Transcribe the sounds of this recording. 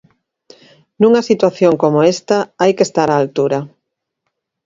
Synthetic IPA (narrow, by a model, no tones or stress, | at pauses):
nũŋɐsit̪waθjoŋkomoest̪aajkest̪aɾaːlt̪uɾa